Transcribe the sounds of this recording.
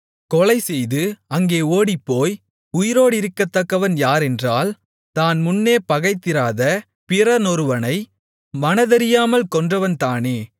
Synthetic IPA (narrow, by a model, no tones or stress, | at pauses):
kɔlɐɪsɛjðɯɐŋɡeːoːɽɪpːoːj | ʊjɪɾoːɽɪɾɯkːɐt̪ːɐkːɐʋɐnjaːɾɛndraːl | t̪aːnmʊnːeːpɐɣɐɪt̪ːɪɾaːðɐ | pɪɾɐnɔɾɯʋɐnɐɪ | mɐnɐðɐɾɪjaːmɐlkɔndrɐʋɐnt̪aːneː